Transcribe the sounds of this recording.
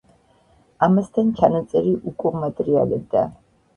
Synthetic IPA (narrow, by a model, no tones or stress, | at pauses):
amast̪ʰant͡ʃʰanat̪sʼɛɾiʔukʼuʁmat̪ʼɛɾia̰lɛb̚d̪a̰